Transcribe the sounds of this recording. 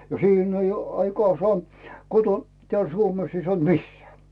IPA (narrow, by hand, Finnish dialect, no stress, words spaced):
no siːn oj jo ɑikoɑː sŏɑː koton teæl suomes ei sŏɑnt misːeæ